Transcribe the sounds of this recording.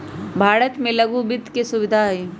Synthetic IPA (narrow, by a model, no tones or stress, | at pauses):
bʱaːɾət̪mẽlɐɡubɪd̪ʱkesʊʋɪd̪ʱaiː